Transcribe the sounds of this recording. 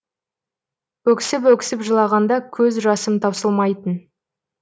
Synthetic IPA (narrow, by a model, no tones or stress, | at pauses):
wɵkʲsɪp̬wɵkʲɪ̥sɪpʒəlˠɑʁɑnd̪ɑkʲʰɵzʒɑsəmt̪ʰɑwsəlˠmɑjt̪ən